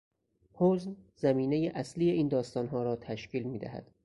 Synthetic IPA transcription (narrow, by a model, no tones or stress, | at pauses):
hoznzæmiːne̞jeʔæsliːjeʔiːnd̪ɒːst̪ɒːnɦɒːɾɒːt̪ʰæʃciːlmiːd̪æ̰hæ̰d̪̥